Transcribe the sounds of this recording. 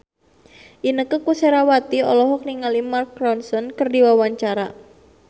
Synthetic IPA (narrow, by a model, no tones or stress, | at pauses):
ʔinəkəkuseɾawat̪iɔlɔɦɔk̚niŋalimarkːɾɔnsɔnkərdiwawaɲt͡ʃaɾa